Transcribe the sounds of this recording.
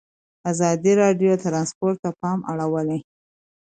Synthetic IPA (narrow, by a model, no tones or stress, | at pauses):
azɑd̪iɾɑɖjot̪ɾɑnspoɾt̪ːapɑma̰ɽawəle